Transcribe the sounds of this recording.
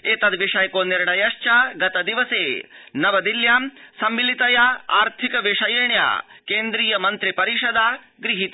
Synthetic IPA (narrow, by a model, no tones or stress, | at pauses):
eːt̪ɐd̪ʋiʂɐjkoːniɾɳɐjɐʃt͡ʃaɡɐt̪ɐd̪iʋɐseːnɐʋɐd̪iljaːmsɐmːilit̪ɐjaa̰ːɾt̪ʰikɐʋiʂɐjiɾɳja̰ːkeːnd̪ɾiːjɐmɐnt̪ɾipɐɾiʃɐd̪aː | ɡɾiɦit̪